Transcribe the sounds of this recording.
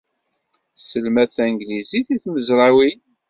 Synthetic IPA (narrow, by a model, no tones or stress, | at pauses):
səlmæθæŋɡliziθiθməzɾˤawi